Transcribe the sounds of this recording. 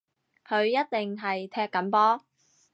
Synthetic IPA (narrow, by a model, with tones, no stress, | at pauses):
kʰɵ˨˧ɥjɐ˥t̚t̪ɪ˨ŋɦɐ˨jt̪ʰɛː˧kːɐ˨˥npɔː˥